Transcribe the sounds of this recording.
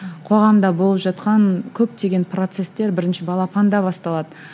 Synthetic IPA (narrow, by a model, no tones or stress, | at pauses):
qʰo̞ʁɑmd̪ɑbolˠəpʒɑt̪qɑnkʲʰɵp̚t̪e̞ɡʲe̞npro̞t̪se̞st̪e̞ɾbɪɾɪnʃɪbɑlˠɑpʰɑnd̪ɑbɑst̪ɑlˠɑd̪ə